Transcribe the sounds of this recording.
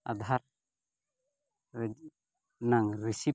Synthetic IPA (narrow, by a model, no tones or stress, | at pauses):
a̰d̪ʱaɾ | naŋɾisi